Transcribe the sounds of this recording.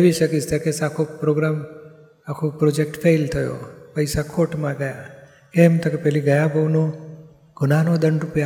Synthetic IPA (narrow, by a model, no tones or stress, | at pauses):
ʋiʃəkist̪akesakʰopɾoɡɾam | akʰopɾod͡ʒek̚ʈfʰejlt̪ʰəjo̰pəjsakʰoʈmãɡəja | kemt̪okepɛɦliɡəjabʱəʋnõ | ɡ̥ʱʊnanod̪əɳɖɾupja